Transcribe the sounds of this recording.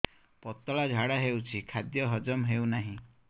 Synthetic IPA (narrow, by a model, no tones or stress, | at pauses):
pɔt̪ɔɭad͡ʒʱaɽaɦewt͡ʃʰikʰad̪jɔɦɔd͡ʒɔmɦewnaɦĩ